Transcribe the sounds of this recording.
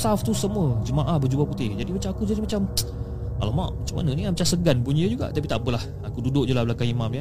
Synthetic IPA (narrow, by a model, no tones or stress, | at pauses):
saft̪usəmuəd͡ʒəmaʔahbəd͡ʒubaput̪ɪhd͡ʒadimat͡ʃamakud͡ʒadimat͡ʃam | a̰lamaʔmat͡ʃama̰nəniamat͡ʃasəɡanpuɲəd͡ʒuɡa̰ʔt̪apit̪aʔbəlah | akududʊʔ̚d͡ʒulahbəlakaimamja